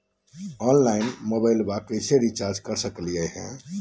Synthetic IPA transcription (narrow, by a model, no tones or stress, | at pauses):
ɔnlainmobaɪlbakəseɾit͡ʃaɾd͡ʒkəɾsəkliəɦɛ̰̃